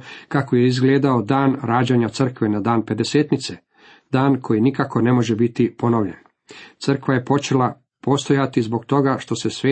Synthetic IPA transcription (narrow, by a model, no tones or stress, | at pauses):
kakojeizɡleːd̪ao̞d̪aːnɾaːd͡ʑeɲat̪sr̩kʋenad̪aːnpe̞d̪e̞seːt̪nit̪se | d̪aːnkʰo̞jinikako̞ne̞mo̞ʒebit̪ipo̞noʋʎen | t̪sr̩kʋajepo̞t͡ʃe̞la | po̞st̪o̞jat̪izbo̞ɡt̪o̞ɡaʃt̪o̞se̞sʋeː